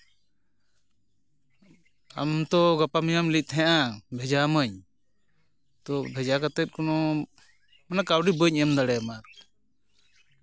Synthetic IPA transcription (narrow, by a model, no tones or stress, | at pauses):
a̰mt̪ɔɡapamijamlit̪ʰɛãʔabʱɛd͡ʒaməɲ | t̪ɔbʱɛd͡ʒakat̪ɛt̪̚kɔnɔ | manakawɖibəɲɛmd̪aɽɛmat̪̚